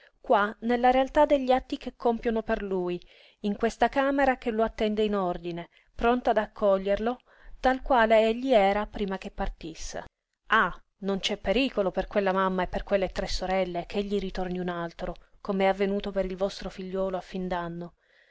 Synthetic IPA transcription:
kwanelːaɾealt̪ad̪eʎːiat̪ːikekʰːompjonoperluj | iŋkwest̪akaːmeɾakeloat̪ːɛnd̪einord̪ine | pɾont̪aːd̪akʰːɔʎːerlo | t̪alkwaːleeʎːiɛːɾapɾiːmak̟epːart̪isːḛ | a | nont͡ʃɛpːeɾiːkoloperkwelːamamːaepːerkwelːet̪ɾesːoɾɛlːek̟eʎːiɾit̪orniunalt̪ɾokomeɛavːenuːt̪opeɾilvɔst̪ɾofiʎːɔːloafːind̪anːo

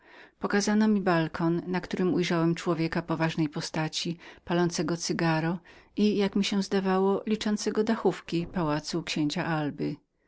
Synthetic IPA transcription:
pɔkazanɔmʲibalkʰɔnːakt̪uɾɘmujʐawɛmt͡ʂwɔvʲjɛkapɔvaʐnɛjpɔst̪at͡ɕipalɔnt̪sɛɡɔt̪sɘɡaɾɔijakmʲiɕɛ̃zd̪avawɔlʲit͡ʂɔnt̪sɛɡɔd̪axufkʲipawat̪sukɕeɲt͡ɕaʔalbɘ

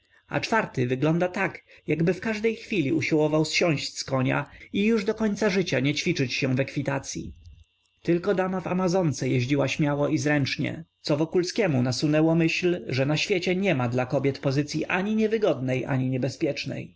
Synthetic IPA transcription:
a̰t͡ʂfaɾt̪ɘvɘɡlɔnd̪at̪ak | jaɡbɘfkaʐd̪ɛjxfʲilʲiuɕiwɔvawsɕɔ̃ɕt͡ɕʲskɔɲa̰ijuʐd̪ɔkɔɲt̪saʐɘt͡ɕaɲɛt͡ɕfʲit͡ʂɘt͡ɕɕɛ̃vɛkfʲit̪at̪sʲjḭ | t̪ɘlkɔd̪amava̰mazɔnt̪sɛjɛʑd͡ʑiwaɕmʲjawɔizɾɛnt͡ʂɲɛ̰t̪sɔvɔkulskʲɛmunasunɛwɔmɘɕlʐɛnaɕfʲjet͡ɕɛɲɛmad̪lakɔbʲjɛt̪pɔzɘt̪sʲjiʔaɲiɲɛvɘɡɔd̪nɛjʔa̰ɲiɲɛbɛspʲjɛt͡ʂnɛ̰j

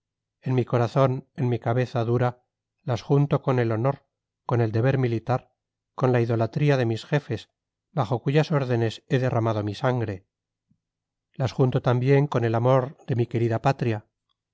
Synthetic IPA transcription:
e̞nmiko̞ɾaθo̞ne̞nmikaβe̞θaðuɾa | lasxunt̪o̞ko̞ne̞lo̞no̞ɾ | ko̞ne̞ld̪e̞βe̞ɾmilit̪aɾ | ko̞nlaiðo̞lat̪ɾiaðe̞misxe̞fe̞s | baχo̞kuʝaso̞ɾðe̞ne̞se̞ðe̞rʔamað̞o̞misaŋɡɾe̞ | lasxunt̪o̞t̪ambje̞ŋko̞ne̞lamo̞ɾðe̞mike̞ɾiðapat̪ɾia

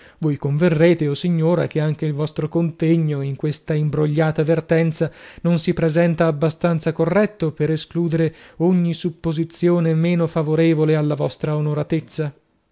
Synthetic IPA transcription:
vojkoɱverːeːt̪eosiɲːoːɾak̟eaŋk̟eilvɔst̪ɾokont̪eɲːoiŋkwest̪aimbɾoʎːaːt̪avert̪ɛnt̪sanonsipɾezɛnt̪aːbːast̪ant̪sakorːɛt̪ːopeɾeskluːd̪eɾeoɲːisupːozit̪sːjoːnemeːnofavoɾeːvolealːavɔst̪ɾaonoɾat̪et̪sːa

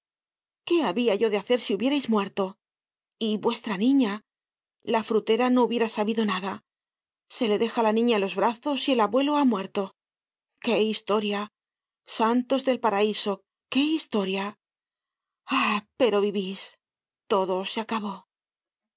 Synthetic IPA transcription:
ke̞aβiaʝo̞ðe̞aθe̞ɾsiuβje̞ɾejzmwe̞ɾt̪o̞ | iβwe̞st̪ɾanĩɲa | lafɾut̪e̞ɾano̞uβje̞ɾasaβiðo̞naða | se̞le̞ðe̞xalanĩɲaelo̞zβɾaθo̞sie̞laβwe̞lo̞amwe̞ɾt̪o̞ | ke̞ist̪o̞ɾja | sant̪o̞zðe̞lpaɾaiso̞ | ke̞ist̪o̞ɾja | ape̞ɾo̞βiβis | t̪o̞ðo̞seakaβ̞o̞

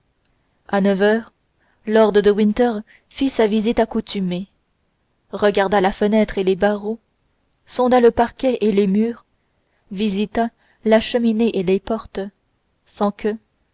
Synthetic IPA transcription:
anəvœːʁ | lɔʁd̪ʁəd̪əwĩnt̪œʁ | fisavizit̪akut̪ʰyme | ʁəɡʲaʁd̪alafənɛt̪χelebaʁo | sɔ̃d̪aləpaʁkʲɛʔelemyːʁ | vizit̪a | laʃəmineʔelepɔʁt̪ | sɑ̃kʰʲə

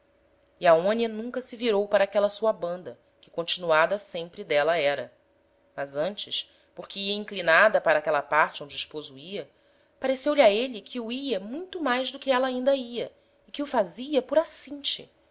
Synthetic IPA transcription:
iaõniɐnũŋkɐsɪviɾowpaɾɐaːkɛlɐsuɐbɐ̃nd̪ɐ | kɪ̥kõnt͡ʃinuad̪ɐsẽmpɾɪd̪ɛlɐɛɾɐ | mɐzɐ̃nt͡ʃɪʃ | poɾkɪiɐĩŋklinad̪ɐpaɾɐaːkɛlɐpaɾt͡ʃɪõd͡ʒɪɪʃpozʊiɐ | paɾesewliaeʎɪkʰɪuiɐmũj̃t̪ʊmajʒd̪ʊkɪɛlɐaːĩnd̪ɐiɐ | ɪkɪʊfaziɐpʊɾasĩt͡ʃɪ̰

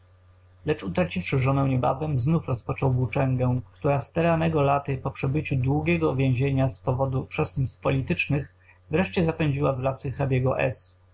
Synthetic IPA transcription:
lɛt͡ʂut̪ɾat͡ɕifʂɘʐɔnɛ̃w̃ɲɛba̰vɛmznufɾɔspɔt͡ʂɔwbut͡ʂɛŋɡɛ̃kt̪uɾast̪ɛɾanɛɡɔlat̪ɘpɔpʂɛbɘt͡ɕud̪wuɡʲɛɡɔvʲjɛ̃w̃ʑeɲaspɔvɔd̪upʂɛsnispɔlʲit̪ɘt͡ʂnɘx | vɾɛʂt͡ɕɛzapɛɲd͡ʑiwavlasɘxabʲjɛɡɔʔɛ̰s

